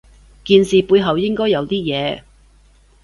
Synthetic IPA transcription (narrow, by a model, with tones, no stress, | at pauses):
kiː˧nsiː˨puː˧jɦɐ˨wjɪ˥ŋkɔː˥jɐ˨˧wt̪iː˥jɛː˨˧